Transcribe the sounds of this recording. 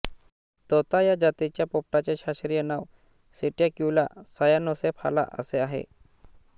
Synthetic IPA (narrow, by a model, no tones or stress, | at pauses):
t̪ɔt̪ajad͡ʑat̪it͡ɕjapop̚ʈat͡ɕeɕaɕɾijənaw | siʈjakula̰sajanɔsepʰa̰la̰ʔə̰seaɦḛ